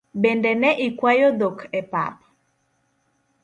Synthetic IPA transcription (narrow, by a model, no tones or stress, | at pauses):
bɛndɛnɛʔikwajod̪okʰɛpa̰p